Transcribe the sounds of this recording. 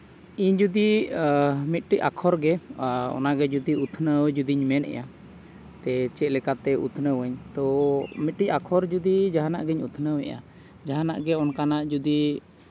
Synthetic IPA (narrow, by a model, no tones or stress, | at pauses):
iɲd͡ʒud̪i | mit̪̚ˀʈicakʰɔɾɡɛɔ̰naɡɛd͡ʒud̪iut̪ʰnəwd͡ʒud̪iɲmɛnʔɛ̰ja | t̪ɛt͡ʃɛlɛkat̪ɛṵt̪ʰnəwəɲt̪ɔmit̪̚ʈicakʰɔɾd͡ʒud̪id͡ʒaɦana̰ʔɡɛɲut̪ʰnəwɛ̰ja̰ | d͡ʒaɦanaʔɡɛɔnkanaʔd͡ʒud̪i